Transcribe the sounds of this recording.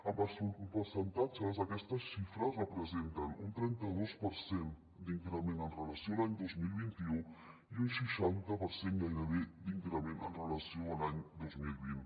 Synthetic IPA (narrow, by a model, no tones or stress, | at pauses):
əpəspəɾsənt̪ad͡ʒəzəkɛst̪əsʃifɾəsrəpɾəzent̪ənunt̪ɾɛnt̪əðospəɾsen | d̪iŋkɾəmenənrələsiolaɲd̪ozmilˠβint̪iu | iunsiʃant̪əpəɾsenɡajɾəβed̪iŋkɾəmenə̰nrələsioəlaɲd̪ozmilˠβin